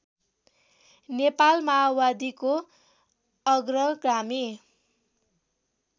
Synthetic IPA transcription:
nepalmawad̪iko | ʌɡrʌɡrame

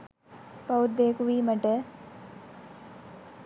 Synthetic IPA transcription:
pɐud̪ːejːkuʋiːməʈə

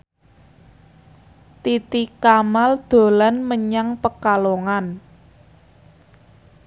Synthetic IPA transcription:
t̪it̪ikamald̪̥o̤lanməɲaŋpəkaloŋan

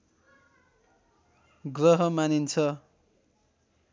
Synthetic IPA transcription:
ɡrʌɦʌmanint͡sʰʌ

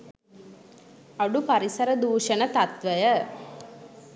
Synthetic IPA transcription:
aɖupaɾisəɾəd̪uːʃənət̪at̪ʋəjə

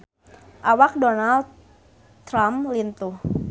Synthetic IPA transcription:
ʔawak̚donald̪ | ɾamlint̪uh

